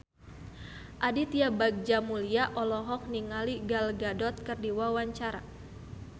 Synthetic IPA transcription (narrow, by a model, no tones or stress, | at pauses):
ʔadit̪iabaɡ̚d͡ʒamuliaʔɔlɔɦɔk̚niŋaliɡalɡadɔt̪̚kərdiwawaɲt͡ʃaɾa